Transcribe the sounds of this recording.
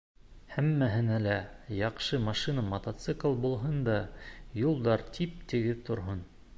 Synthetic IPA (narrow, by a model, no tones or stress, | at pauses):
hæmːæɦɘ̆nælæjɑqʃɤmɑʃinamɐt̪ɐt̪sɨklˠbulˠɦɤnd̪ɑjulˠd̪ɑɾt̪ʰip̚t̪ɘ̆ɡɘðt̪ŏɾɦɤn